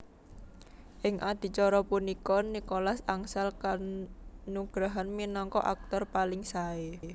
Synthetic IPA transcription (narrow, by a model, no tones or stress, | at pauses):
ʔɪŋʔad̪̥i̤t͡ʃɔɾɔpunikɔnikɔlasaŋsalka | nuɡ̥ɾaɦanminɔŋkɔ̰ʔak̚t̪ɔrpalɪŋsae